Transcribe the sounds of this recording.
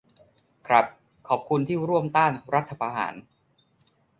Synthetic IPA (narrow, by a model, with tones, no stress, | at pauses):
kʰɾa˦˥p̚ | kʰɔː˩p̚kʰu˧nt̪ʰiː˥˩ɾu˥˩əmt̪aː˥˩nɾa˦˥t̪ʰːa˧pʰaː˧ɦa̰ː˩˦n